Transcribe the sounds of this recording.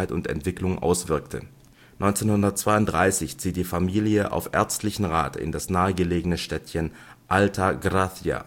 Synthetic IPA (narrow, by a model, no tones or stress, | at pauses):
ɪtʊntɛ̰ntv̥ɪklʊŋʔa̰ʊsv̥ɪɐktʰə̰ | nɔʏnt͡seːnhʊndɐt̚t͡sv̥aɪʊntd̥ʁaɪsɪçt͡siːt̚d̥iːfamiːljəʔa̰ʊfʔɛ̰ɐt͡stlɪçn̩ʁaːtɪ̰ndasnaːəɡəleːɡənəʃtɛtçən | ʔaltʰaɡʁaθjia̰